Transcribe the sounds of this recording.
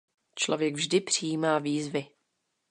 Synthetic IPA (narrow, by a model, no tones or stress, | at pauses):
t͡ʃlo̞̰vjɛɡvʒdɪpr̝̥ijiːmaːviːzvɪ